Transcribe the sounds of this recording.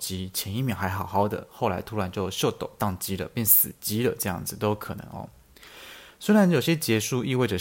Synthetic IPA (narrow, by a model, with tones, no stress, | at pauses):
t͡ɕi˥t͡ɕʰjɛ˧˥ni˥˩mji˧˥˩xa˧˥ɪxɑ˨˩ʊxɑ˥ʊd̪ə̰˩xo˥˩ʊla̰˧˥ɪt̪ʰu˥ɻa˧˥nt͡ɕjo˥˧ʊɕjo˥˧ʊt̪o̰˨˩ʊt̪ɑ˥˩ŋt͡ɕi˧˥lə̰˨pjɛ˥˩nsɹ̩˨˩t͡ɕi˧˥lə˨ʈ͡ʂɤ˥˧jɑ̰˥˩ŋd͡zɹ̩˩t̪o˥ʊkʰɤ̰˨˩nɤ̰˧˥ŋɔ̰˧ | swe˥ɪɻa˧˦njo˨˩ʊi˩ɕjɛ˥t͡ɕjɛ˧˥ʂu˥˧i˥˧we˥˩ɪd͡ʒə˨˩